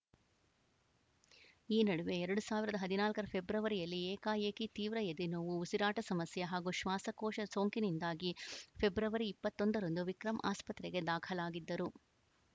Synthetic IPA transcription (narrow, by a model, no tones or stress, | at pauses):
iːnɐɽuʋe̞ɛɾɐɽusaːʋiɾɐd̪ɐɦɐd̪inaːlkɐɾɐpʰebɾɐʋɐɾijɐlːieːkaːjeːkit̪iːʋɾɐjed̪inoːʋuusiɾaːʈɐsɐmɐsjɐɦaːɡuʃʋaːsɐkoːʃɐsoːŋkinind̪aːɡipʰe̞bɾɐʋɐɾiːpːɐt̪ːond̪ɐɾɐnd̪uʋikɾɐmʔa̰ːspɐt̪ɾɛɡe̞d̪aːkʰɐlaːɡid̪ːɐɾu